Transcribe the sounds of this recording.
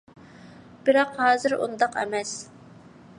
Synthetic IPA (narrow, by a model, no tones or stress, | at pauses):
b̥ɪɾɑqhɑːzɨɾṵnd̪ɑqɛ̰mɛs